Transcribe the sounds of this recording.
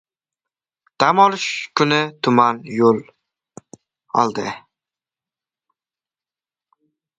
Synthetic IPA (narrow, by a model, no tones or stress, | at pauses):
d̪̥amɒlɪʃkʰʊnɪt̪ʰʊmanjol | ɒ̰lˠd̪ɪ